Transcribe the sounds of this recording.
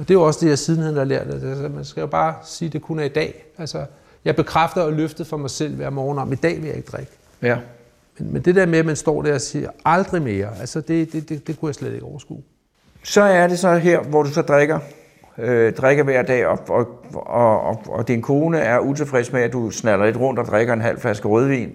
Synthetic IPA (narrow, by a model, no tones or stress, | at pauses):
ɒ̽d̥e̝jo̝ɒ̽səd̥e̝jɑ̈ɪsiðˠn̩hæn̩hɑ̈læɐ̰d̥ːe̥æsɐmænsɡ̥æjo̝b̥ɑ̈ːsiːd̥e̝kʰunɐid̥ɛ̰ːælsɐ | jɑ̈ɪb̥e̝kʰʁafd̥ɐːløfd̥ð̩ˠfɒ̽mɑ̈ɪsel̰ʋæɐ̰mɒːnɒ̰mid̥ɛ̰ːʋe̝ljɑ̈e̝ɡ̥əd̥ʁaɡ̥ | menmend̥e̝d̥eɐ̰meæmænsd̥ɒ̰ːd̥æɐɒsḭːɐɑ̈ld̥ʁime̝ːɐælsɐd̥e̝d̥e̝d̥e̝d̥e̝kʰujɑ̈ɪsled̥e̝ɡ̥ɒʊɐsɡ̥ṵː | sɒ̽æɐɾ̥e̝sɒ̽ɦeɐ̰ʋɒd̥usɒ̽d̥ʁaɡ̥ɐ | ød̥ʁaɡ̥ɐʋæɐ̰d̥ɛ̰ːɒɒ̽ɒɒɒd̥inkʰo̝ːnəæɐʔut͡sʰe̝fʁɛsmeædd̥usnælɐle̝d̥ʁɔ̽n̰d̥ɒ̽d̥ʁeɡ̥ɐe̝nɦæl̰flæsɡ̥əʁɔð̞ˠʋḭːn